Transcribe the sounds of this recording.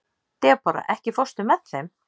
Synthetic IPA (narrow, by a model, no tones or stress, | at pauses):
t̪ɛpaːɾa̰ʔɛhcɪfɔst̪ʏmɛt̪nθejm